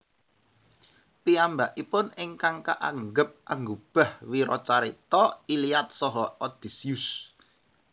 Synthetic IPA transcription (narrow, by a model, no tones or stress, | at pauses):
piambaʔipʊnɪŋkaŋka̰ʔaŋɡəp̚a̰ŋɡob̥a̤hwiɾɔt͡ʃaɾit̪ɔiliat̪̚sɔɦɔɔd̪̥i̤sius